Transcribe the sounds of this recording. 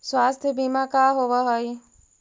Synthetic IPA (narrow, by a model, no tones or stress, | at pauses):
swaːst̪ʰəbiːmakaːɦoʋəɦoi